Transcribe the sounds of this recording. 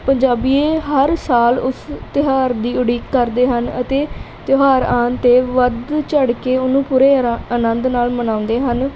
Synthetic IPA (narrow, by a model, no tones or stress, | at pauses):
pəɲd͡ʒaːbiːeːɦəɾsaːlʊst̪ɪɦaːɾd̪iːʊɽiːkːəɾd̪eːɦənə̰t̪eː | t̪ɪɦaːɾãːnt̪eːʋəd̪t͡ʃəɽkeːʊnũːpuːɾeːənənd̪naːlmənãːʊnd̪eːɦən